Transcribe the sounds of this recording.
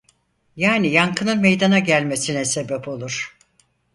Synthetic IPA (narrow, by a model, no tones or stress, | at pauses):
jaːnijaŋkʰɯnɯnme̞jd̪anaɟælʲme̞sinɛse̞bɛpʰo̞lˠuɾ̥